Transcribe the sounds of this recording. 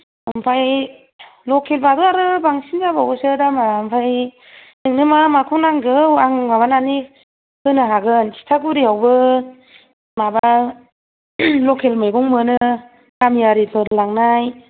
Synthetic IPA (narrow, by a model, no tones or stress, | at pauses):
ɯmpʰaj | lɔkʰelbaduaɾɯbaŋsind͡ʒabawɯsɯdamaɯmpʰaj | nɯŋnɯmamakʰunaŋɡɯwaŋmaβanani | hʰɯnɯɦaɡɯnsi̥tʰaɡuɾiawbɯ | maba | lɔkʰelmɯjɡɔŋmɯnɯ | kamjaɾipʰɯɾlaŋnaj